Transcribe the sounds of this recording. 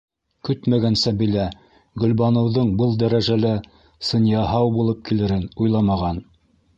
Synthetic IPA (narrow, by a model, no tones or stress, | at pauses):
kɵt̪mæɡænsæbilæ | ɡɵ̆lbɑnɤ̆wðɤɴbɤlˠd̪æɾæʒælæ | sɤ̆njɑɦɑwbulˠɤp̚kilɘ̆ɾɘnujlˠɑmɑʁɑn